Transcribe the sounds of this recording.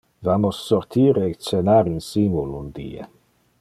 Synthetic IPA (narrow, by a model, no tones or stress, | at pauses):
vamosːoɾt̪ʰiːɾeːt͡ʃenaɾinsimulund̪ḭːḛ